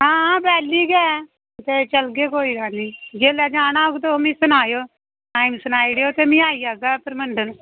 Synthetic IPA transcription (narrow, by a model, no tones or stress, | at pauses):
ɦãːbɛːlːiːɡɛː | t̪eːt͡ʃəlɡeːkoːiːɾaːnĩːd͡ʒeːlɛːd͡ʒaːnaːoɡt̪oomĩːsʊnaːjoː | ʈaːimsʊnaːiːɽeoːt̪eːmĩːaːiːaːɡaːpəɾməɳɖən